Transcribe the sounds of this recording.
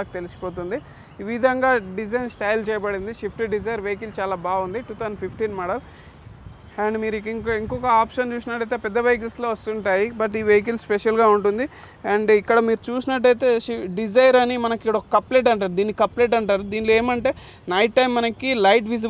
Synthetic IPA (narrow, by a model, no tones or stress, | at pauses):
kit̪elisi̥poːt̪und̪i | iʋid̪ʱɐŋɡaːɖid͡ʒɐjnsʈɐjlt͡ʃɛːjɐpɐɽind̪iʃipʰʈiɖid͡ʒɐjɐɾʋejkilt͡ʃaːlaːbaːund̪iʈuːt̪ʰɐwɐɖpʰipʰʈiːnmɛːɽɐm | ɐɳɖmiːɾikiŋkɔkɐaːpʂɐnt͡ʃuːsinɐʈːɐjt̪̬e̞ːpɛd̪ːɐʋejk̬ilslo̞ːʋɐst̪uɳʈaːjibɐʈ̬iːʋejk̬ilspeʂɐlɡaːuɳʈund̪i | ɐɳɖikːɐɽɐmiːɾut͡ʃuːsinɐʈ̬ːɐjt̪̬e̞ːɖid͡ʒɐjɾɐnimɐnɐkːikːɐɽɔkɐkɐpleʈ̬ɐɳʈaːɾud̪iːnːikɐpleʈ̬ɐɳʈaːɾud̪iːnloːeːmɐɳʈe̞ː | nɐjʈːɐjmːɐnɐkilɐjʈʋid͡ʒi